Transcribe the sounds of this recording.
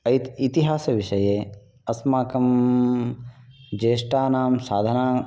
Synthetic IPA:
ɐjt̪it̪iɦaːsɐʋiʃɐjeː | ɐsmaːkɐm | d͡ʒeːʃʈaːnaːmsaːd̪ʱanaː

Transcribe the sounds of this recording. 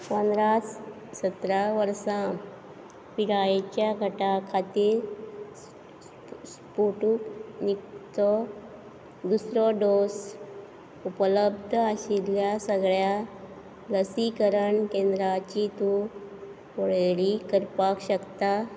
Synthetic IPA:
pənd̪ɾat͡s | sət̪ɾaʋəɾsã | piɾajet͡ɕjaɡʱəʈakʰat̪iːɾ | spoʈuknikt̪ɔ | d̪usɾɔɖos | upələbd̪ʱəəɕiljasəɡɭja | ləsikəɾəɳkẽnd̪ɾat͡ɕit̪u | poɭɭikəɾpakɕəkt̪a

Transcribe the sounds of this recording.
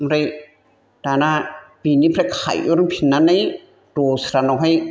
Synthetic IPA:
mɾaj | d̥anabinipʰɾakʰa̰jʔuɾmpʰinːanaj | dosɾanawɦaj

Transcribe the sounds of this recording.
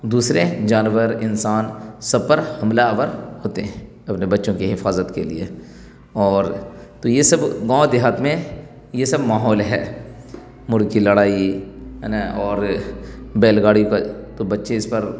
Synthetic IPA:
d̪uːsɾed͡ʒaːnʋəɾɪnsaːnsɐb̚pɐɾhɐmlaʋəɾɦoːt̪eɦɛ̃ | ɐpnebɐtːʃõkiɦɪfaːzət̪kelḭḛ | ɔːɾt̪ojesɐbɡãːd̪ɪɦat̪mẽ | jesɐbmaːɦɔːlɦɛ̰ː | mʊɽkilɐɽaːiɦnaɔːɾ | beːlɡaːɽijõkat̪obɐtːʃẽɪspɐɾ

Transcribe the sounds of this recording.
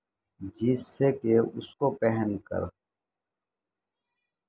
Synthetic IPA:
d͡ʒisːekeʊskopɛɦənkə̰ɾ

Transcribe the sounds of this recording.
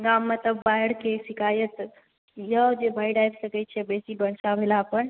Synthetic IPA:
ɡamːət̪əbːajɽkʰesɪkaːjət̪ | jəd͡ʒebaɪɽajt̪səkət͡ʃʰebesibəɳsabʱelapəɳ

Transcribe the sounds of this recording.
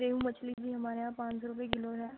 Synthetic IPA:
ɾeːɦũːmət͡ʃʰlid͡ʒiːɦɐmaːɾeãːpãːɲt͡ʃɾʊpekɪloɦɛː

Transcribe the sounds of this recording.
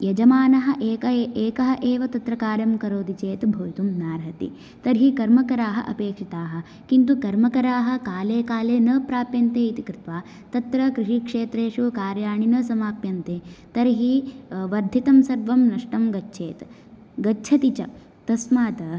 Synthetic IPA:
jɐd͡ʒɐmaːnɐɦɐ̆ʔeːkɐeːkɐɦɐʔeːʋɐt̪ɐt̪ɾɐkaːɾjɐmkɐɾoːd̪it͡ʃeːt̪bʱoːjit̪umnaːɾɦɐt̪ḭ | t̪ɐɾɦikɐɾmɐkɐɾaːɦɐʔɐpeːkʂit̪aːɦɐ̆ | kint̪̬ukɐɾmɐkɐɾaːɦɐ̆kaːleːkaːleːnɐpɾaːpjɐnt̪eːit̪ikɾɪt̪ʋaː | t̪ɐt̪ɾɐkɾɪʂikʂeːt̪ɾeːʂukaːɾjaːɳinɐsɐmaːpjɐnt̪eːt̪ɐɾɦiʋɐɾd̪ʱit̪ɐmsɐɾʋɐmnɐʂʈɐmɡɐtːʃʰeːt̪ | ɡɐːt͡ʃʰɐt̪it͡ʃɐ | t̪ɐsmaːt̪ɐ

